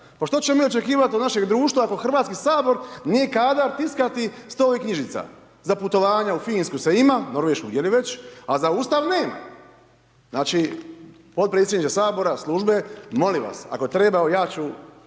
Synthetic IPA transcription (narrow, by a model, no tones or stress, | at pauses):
paʃt̪ot͡ɕemomiːo̞t͡ʃe̞kiːʋat̪onaʃe̞ɡd̪ɾuːʃt̪ʋaako̞xr̩ʋaːt̪skisaːbo̞ɾnijekaːd̪aɾt̪iskat̪ist̪oːikɲiʒit̪sa̰ | zaput̪o̞ʋaːɲaufiːnskuseimano̞ɾʋeʃkuɡjeliʋet͡ɕazauːst̪aʋneːma̰ | znaːt͡ʃi | po̞t̪̚pɾet̪sjed̪nit͡ʃ̪esaːbo̞ɾaslˠuʒbe̞mo̞liʋa̰sa̰kot̪ɾe̞baojaːt͡ɕu